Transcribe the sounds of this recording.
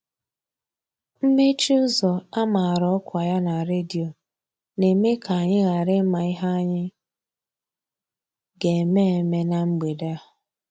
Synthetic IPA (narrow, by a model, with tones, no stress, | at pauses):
m̩˦me˦t͡ʃu˦zɔ˨a˦ma˨a˨ɾɔ˦ɔ˦kʷa˨ja˦na˨ɾe˦di˨o˨ | ne˨˦me˦kʰa˨a˨ɲɪ˦ɣa˨ɾɪ˦ma˨i˦ɦa˦ɲɪ˦ | ɡe˨me˦e˨me˦na˨ŋ͡m̩˦ɡ͡be˨de˦a˦˨ʊ˨